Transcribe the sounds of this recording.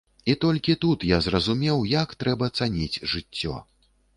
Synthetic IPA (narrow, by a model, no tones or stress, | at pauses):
it̪ɔlʲkʲit̪ut̪jazrɐzumʲɛwjakt̪ɾɛbɐt̪sanʲit͡sʲʐɨt͡sʲːɔ̰